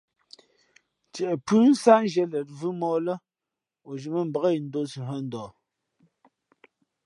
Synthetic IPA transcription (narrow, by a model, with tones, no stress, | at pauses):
t͡ʃɛ˨ʔɛ˨pʉ˦n̩˦sa˦n˦ʒɛ˦lɛ˨t̚vɯ˦mɔː˦lə˦ | o˨d͡ʒi˨mə˦m̩˨bə˨ɣə˦i˨n̩˦do˦si˨ɦə˦n̩˦dɔː˨